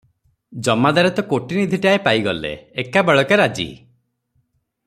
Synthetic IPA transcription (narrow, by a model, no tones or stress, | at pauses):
d͡ʒɔmad̪aɾɛt̪ɔkoʈinid̪ʱiʈiaepaiɡɔlḛːkabeɭɔkeɾad͡ʒḭ